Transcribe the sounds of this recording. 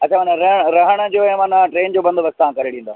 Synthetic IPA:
ɐt͡ɕt͡ɕʰaːmaːn̤ãɾɐɦəɽ̃ɾɐɦəɽ̃ə̆d͡ʑoːɦɛmaːnãʈɾeːnd͡ʑoːbɐ̃nd̪bɐsɪt̪ɐɦãkɐɾeɽĩːnd̪aː

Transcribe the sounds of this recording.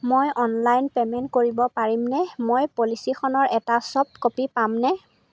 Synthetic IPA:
mojʔɔnlajnpɛmɛntkoɹibɔpaɹimnɛmojpolisixʰɔnɔɹɛtasɔp̚kopipamnɛ

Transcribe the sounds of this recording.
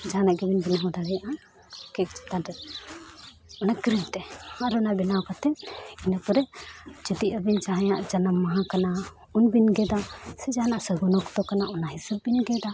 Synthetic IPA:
d͡ʒaɦanaʔɡɛbinbinaɦɔ̃d̪aɽɛjaʔã | kɛt̪adɛ | ɔnakɾilt̪ɛhaɾɔnabinakat̪ɛinapɔɾɛd͡ʒut̪iʔabind͡ʒaɦãjaʔd͡ʒanamːaɦãkana | unbinɡɛd̪asɛd͡ʒaɦanaʔsəɡɔnɔkt̪ɔkanaʔɔnaɦisabːinɡɛd̪a

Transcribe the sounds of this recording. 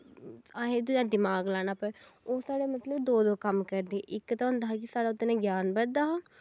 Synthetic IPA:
aːɦed̪ud͡ʒãːd̪ɪmaːɡlaːnaːpəoːsaːɽeːmət̪ləbd̪oːd̪oːkəmkəɾd̪iɛʔɪkt̪aɦõːnd̪aːɦkɪsaːɽaːʊt̪ːenẽːɡjaːnbəɾd̪aːaː

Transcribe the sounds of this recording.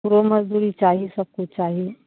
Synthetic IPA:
uɾomɐzd̪uːɾit͡ʃaːɦiesɐb̚kut͡ʃaːɦie

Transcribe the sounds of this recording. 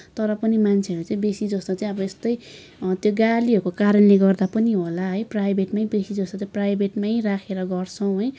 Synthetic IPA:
t̪ʌɾʌpʌnimant͡sʰeʌɾut͡saĩbesid͡zʌst̪ot͡saĩʌbʌest̪ʌj | t̪joɡaliɦʌɾkokaɾʌnleɡʌrd̪apʌniɦolaɦʌjprajbʱeʈmaĩbesid͡zʌst̪ot͡sãĩprajbeʈmaĩrakʰeɾʌɡʌrt͡sʰʌw̃ɦʌj

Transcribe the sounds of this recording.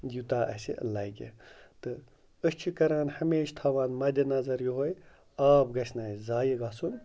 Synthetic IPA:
jut̪aːʔɐ̰sḭlɐjɡʲḛt̪ɨ | əst͡ʃʰikɐɾaːnhɐmeːʃt̪ʰaːʋaːnmɐd̪ʲɐnɐzɐɾjuɦoj | aːpɡɐsʰʲnaːjzaːjiɡaːsun

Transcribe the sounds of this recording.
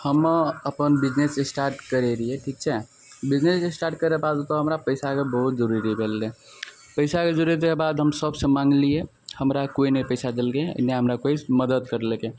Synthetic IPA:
həməəpənbid͡ʒnesesʈaɾʈkəɾeɾieʈʰik̚t͡ʃʰɛ | bid͡ʒnesesʈaɾʈ̚kəɾepad̪t̪ɔɦəmɾapəɪsakebəɦut̪̚d͡ʒəɾuɾibʱelːe | pəɪsaked͡ʒəɾuɾikebad̪ɦəmsəbsə̃mãŋɡlije | həmɾakoinəpəjsad̪elkeə̰neɦəmɾakoisməd̪əd̪̚kəɾlekẽ

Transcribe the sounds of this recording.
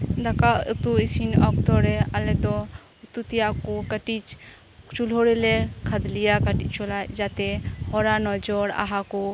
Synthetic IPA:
d̪akaṵt̪uisinɔk̚t̪ɔɾɛalɛt̪ɔ | ut̪ut̪ijakɔkəʈit͡ʃ | t͡ʃulɦoɽɛlɛkʰad̪lijakəʈit͡ʃt͡ʃɔlajd͡ʒat̪ɛhɔɾanɔd͡ʒɔɾa̰ɦakɔ

